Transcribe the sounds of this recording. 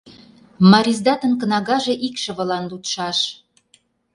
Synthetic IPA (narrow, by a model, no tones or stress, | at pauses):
mɑɾʲizd̪ɑt̪ə̆nkə̆nɑɣɑʒĕʔikʃə̆βə̆lɑnlut̪ʃɑʃ